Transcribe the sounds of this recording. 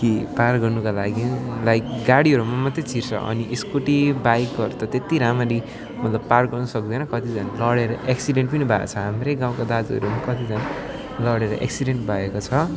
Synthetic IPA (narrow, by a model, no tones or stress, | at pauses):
kiparɡʌrnukalaɡilajkɡaɽiʌɾumamʌt̪ːet͡sʰirt͡sʰʌ̰ʌ̰niʔeskuʈibajkʌɾt̪ʌt̪et̪iɾamaɾi | mʌt̪lʌbpːarɡʌrnʌsʌk̚d̪ʌjnʌkʌt̪id͡zanlʌɽeɾʌʔeksiɖeɳʈpʌnibʱa̰t͡sʰʌɦamrejɡaw̃kad̪ad͡zʌ̰ɾumakʌt̪id͡zan | lʌɽeɾʌ̰ʔḛksiɖeɳʈbʱaekot͡sʰʌ